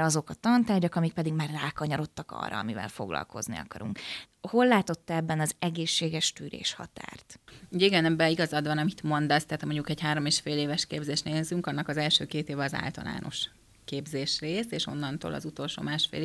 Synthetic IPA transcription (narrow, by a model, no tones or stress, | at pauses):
ɒzo̞kɒt̪ɒnt̪aːrɟɒkɒmik̚pɛd̪iɡmaːrraːkɒɲɒɾo̞t̪ːɒkɒ̰rːɒ̰ɒ̰mivɛ̰lfo̞̰ɡlɒ̰lko̞znḭɒ̰kɒɾuŋk | ho̞lːaːt̪o̞t̪ːɒɛbːɛnɒzɛɡeːʃːeːɡɛʃt̪yːɾḛːʃhɒ̰t̪a̰ːrt̪uːɟɛiɡɛnɛbːɛiɡɒzɒd̪vʋɒnɒmit̪mo̞nd̪ɒst̪aːt̪moɲɟukɛɟhaːɾo̞meːʃfeːleːvɛʃkeːbzeːʃneːlzyŋkɒnːɒkɒzɛlʃøːkeːt̪eːvɛɒza̰ːlt̪ɒ̰la̰ːnʔo̞̰ʃ | keːbzeːʃreːseːʃo̞̰nːɒnt̪o̰ːlɒ̰zut̪o̞lʃo̰ːmaːʃfḛːl